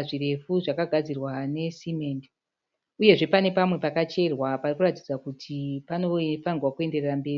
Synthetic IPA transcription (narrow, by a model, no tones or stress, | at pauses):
ʐire̞fuʐakaɡʱad͡zirwane̞simend | uje̞ʐe̞pane̞pamwe̞pakat͡ʃe̞rwaparikuratid͡zakutʰipano̞fanirwakue̞nde̞rerambe̞ːri